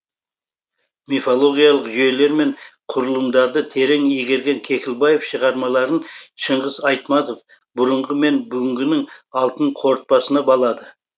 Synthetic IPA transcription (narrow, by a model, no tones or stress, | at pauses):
mefolˠo̞ɡʲijɑlˠəqʒje̞le̞ɾme̞ɴqʰʊɾəlˠəmd̪ɑɾd̪ət̪ʰe̞ɾe̞ŋeɡʲe̞ɾɡʲe̞ŋkʲʰe̞kʲɪlˠbɑje̞fʃəʁɑɾmɑlˠɑɾənʃəɴʁəzɑjt̪mɑt̪o̞f | bʊɾəɴʁəme̞nbʏɡʲɪŋɡʲɪnɪŋɑlˠt̪əɴqʰo̞ɾt̪̚pɑsənɑbɑlˠɑd̪ə